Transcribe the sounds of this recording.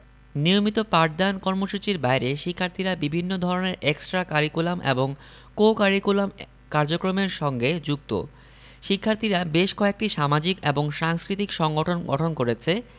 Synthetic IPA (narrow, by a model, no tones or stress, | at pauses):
niomit̪opaʈ̚d̪ankɔɾmoʃut͡ɕiɾbajɾeʃikʰːaɾt̪ʰiɾabibʱinːod̪ʱɔɾoneɾeksʈɾakaɾikulamʔḛboŋ | kokaɾikulam | kaɾd͡ʑokɾomeɾʃɔŋɡed͡ʑuk̚t̪o̰ | ʃikʰːaɾt̪ʰiɾabeʃkɔek̚ʈiʃamad͡ʑikeboŋʃaŋskɾit̪ikʃɔŋɡoʈʰonɡɔ̰ʈʰonkoɾet͡ɕʰe